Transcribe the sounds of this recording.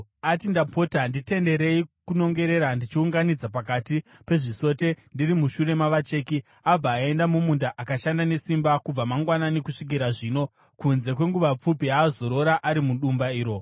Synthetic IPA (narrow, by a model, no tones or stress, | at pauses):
atindapo̞tandite̞nde̞ɾe̞ikuno̞ŋɡe̞ɾe̞ɾandit͡ʃiuŋɡanid͡zapakati | pe̞ʐiso̞ːte̞ndirimuʃure̞maʋat͡ʃe̞ːki | ab͡vaːe̞ndamumundaʔakaʃandane̞simbakub͡vamaŋɡwananekuʂik̬iɾaʐiːno̞ | kunze̞kwe̞ŋɡuʋap͡fupiaːzo̞ɾo̞ɾaʔaɾimuɗumbaiːɾo̞